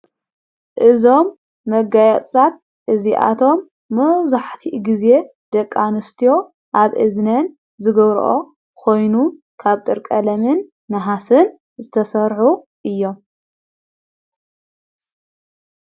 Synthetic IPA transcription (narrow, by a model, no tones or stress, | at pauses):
ʔɨzo̞mː | ɐɡajɐt͡sʼat̪̚ | ʔɨziʔa̰t̪ʰo̞mː | ɐwzaħt̪ʰiɡize̞ | d̪ɐkʼːanɨst̪ʰijo̞ | ʔaβʔɨ̰znɐn | zɨɡɐβɾ̰ʔo̰ | kʰo̞jnu | kʰaβt̪ʼɨɾkʼɐlɐmɨnː | ɐɦasɨn | zɨt̪ʰɐsɐɾħu | ʔɨjːo̞m